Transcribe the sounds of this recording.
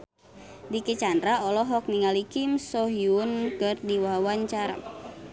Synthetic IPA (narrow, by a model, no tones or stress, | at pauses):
diket͡ʃandɾaɔlɔɦɔk̚niŋalikimsɔɦjunkɨrdiwawaɲt͡ʃaɾa̰